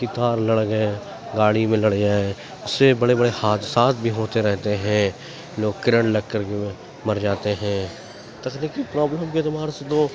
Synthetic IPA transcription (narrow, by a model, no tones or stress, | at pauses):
kɪt̪aːɾlɐɽɡəe | ɡaːɽimẽlɐɽd͡ʒaːe | ʊsːebɐɽebɐɽehaːt̪saːt̪̚bʱiɦoːt̪eɾɛɦt̪eɦɛ̃ | loːɡ̚kɪɾə̃ɳʈlɐɡ̚kːəɾke | mɐɾd͡ʒaːt̪eɦɛ̃ | t̪ɐkniːkipɾaːbləmket̪ʊmaːɾesed̪oː